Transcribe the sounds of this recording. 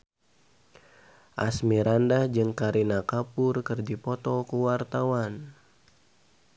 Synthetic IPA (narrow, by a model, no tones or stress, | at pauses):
ʔasmiɾandahd͡ʒɨŋkaɾinakapʊrkɨrd͡ʒipɔt̪ɔkuwart̪awan